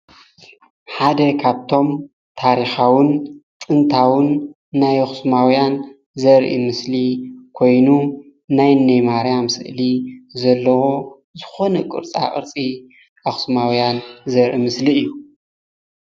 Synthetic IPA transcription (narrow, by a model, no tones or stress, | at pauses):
ħad̪ɐkʰaβt̪ʰo̞m | t̪ʰaɾixawɨnt͡sʼɨnt̪ʰawɨnː | ajaxɨ̥smawjan | zɐɾʔḭmɨslikʰo̞jnu | najnɐjmaɾjamsɨ̰ʔlizɐlːɐwo | zɨxo̞nɐkʼɨ̰ɾt͡sʼa̰ʔʼɨ̰ɾt͡sʼi | ʔaxsmawjanzɐɾʔimɨsliɨjːu